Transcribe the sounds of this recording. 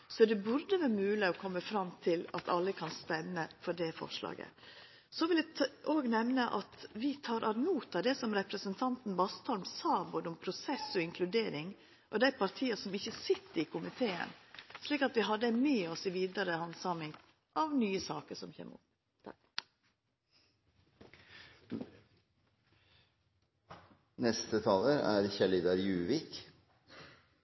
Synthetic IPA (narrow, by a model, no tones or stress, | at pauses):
sɔd̪ɛbʉɾd̪əʋæɾmʉːlɪɔkʰɔmːəfɾɑmːt̪ʰɪlɑ̰t̪ʰɑlːəkʰɑnst̪ɛnːəfɔɖɛfɔ̰ʂlɑ̰ːɡə̰ | sɔʋɪlæʔoːɡnɛmnəʔɑt̪ʋɪt̪ʰɑːɾʔɑɾmuːt̪ɑd̪ɛsɔmɾɛpɾəsənt̪ʰɑnt̪n̩bɑst̪ʰɔlmsɑːboːd̪əɔmpʰɾʊsɛsːɔɪŋkʰlʉd̪eːɾɪŋ | ʔɔd̪æɪpʰɑɾt̪ʰiːəsɔmɪçːəsɪt̪ːəɾɪkʰʊmɪt̪ʰeːə̰nʂliːkɑt̪ʋɪɦɑd̪əmeːɔsɪʋiːd̪ɑɾəhɑnsɑmɪŋ | ʔɑʋnyːəsɑːkəʂɔmçḛːmṵːt̪ | nɛst̪ət̪ʰɑːləɾæ̰ɾçɛlɪd̪ɑɾjʉːʋɪk